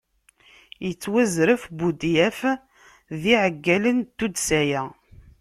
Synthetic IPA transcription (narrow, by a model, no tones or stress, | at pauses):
jət͡sːwæzɾəfbud̪jæf | ðiʕəɡːælənt̪ːud̪sæjæ